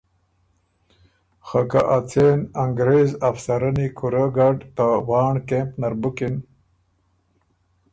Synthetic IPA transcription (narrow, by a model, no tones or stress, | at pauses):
xakaʔat͡senaŋɡɾezafsaɾanikʰuɾaɡaɖt̪awɑːɳkempnaɾbukin